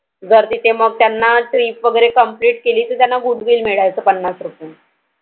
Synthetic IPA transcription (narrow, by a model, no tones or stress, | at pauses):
d͡zəɾt̪iːt̪ʰeməɡ̚t̪janːaʈɾiːpʋəɡəɾekəmpliːʈ̚keliːt̪əɾt̪janːaɡuʈʋiːlmiɭajt͡səpənːasɾupiːn